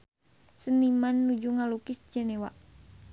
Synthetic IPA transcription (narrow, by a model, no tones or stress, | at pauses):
sənimanːud͡ʒuŋalukisd͡ʒɛnɛwa